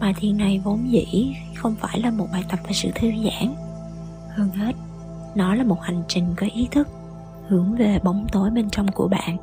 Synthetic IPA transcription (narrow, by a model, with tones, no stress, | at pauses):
ɓaː˨˩t̪ʰḭ˨˩nːa˨˩jvo˨˦nzḭ˧˥˨ | xə˧wŋ͡mfaː˧˩jlaː˨˩mo˨˩t̚ɓaː˨˩jt̪ə˨˩p̚vaː˨˩sɨ̰˧˨t̪ʰɨ˧əŋza̰ː˧˩n | həː˧ŋhe˦˥t̚ | nɔ˨˦laː˨˩mo˨˩t̚ha˨˩jŋ̟t͡ɕï˨˩ŋ̟kaː˨˦jʔi˨˦t̪ʰɨ˦˥k̚ | hɨ˧˩əŋve˨˩ɓə˨˦wŋ͡mt̪o˨˦jɓe˧nt͡ɕɔ˧wŋ͡mku˧˩əɓa̰ː˧˨n